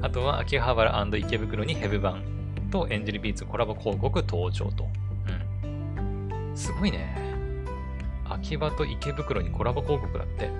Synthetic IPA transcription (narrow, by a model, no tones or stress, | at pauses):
at̪o̞βaʔa̰kʲiɦaβaɾɯ̰ʔãnd̪oike̞bɯ̟kɯ̟ɾo̞ɲ̟ihe̞bɯ̟bãn | t̪o̞ʔẽ̞ɲ̟d͡ʑiɾɯ̟bʲiːt͡sɨko̞ɾabɯkʰo̞ːko̞kɯ̟t̪ʰo̞ːt͡ɕo̞̰ːt̪o̞ | ɯ̟̃ɴ | sɨɡo̞ine̞̰ | a̰kʲibat̪o̞ʔike̞bɯ̟kɯ̟ɾo̞ɲ̟ikʰo̞ɾabɯko̞ːko̞kɯ̟d̪a̰t̪ːe̞̰